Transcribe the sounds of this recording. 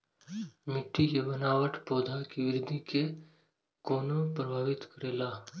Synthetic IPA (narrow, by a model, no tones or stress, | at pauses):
mɪʈːijebənaːʋəʈʰpoːd̪ʱakiʋɪɾɪd̪ʱike | koːnopɾɐbʱaːʋɪt̪kəɾeːlaː